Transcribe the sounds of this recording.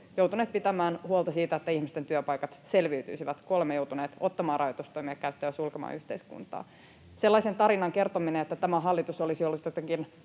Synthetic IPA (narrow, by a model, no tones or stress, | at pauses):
jowt̪uneːt̪̚pit̪æmæːnhuolˠt̪ɑsiːt̪æet̪ːæihmist̪ent̪yøpɑjkɑt̪se̞lʋiyt̪y̰jsiʋæt̪kolmejowt̪uneːt̪o̞t̪ːɑmɑːrɑjot̪ust̪oimiɑkæyt̪ːæːsulkemɑ̰ːyht̪eiskṵnt̪ɑ̰ː | se̞lːɑisent̪ɑɾinɑŋke̞rt̪omineet̪ːæt̪æmæɦɑlːit̪usolisiolːut̪jot̪eŋkin